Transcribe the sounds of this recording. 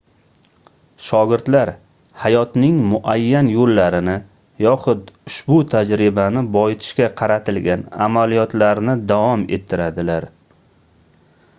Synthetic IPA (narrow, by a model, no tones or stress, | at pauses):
ʃɒɡʲɪɾt̪laɾ | hajɒt̪nɪŋmʊʔajːanjolːaɾɪnɪ | jɒχʊd̪ʊʃbʊt̪ʰad͡ʒɾɪbanɪbɒɪt̪ʰɪ̥ʃkʲaqʰɑɾat̪ʰɪlɡʲana̰malijɒt̪laɾnɪd̪avɒme̞̰t̪ʰːɪɾad̪ɪlaɾ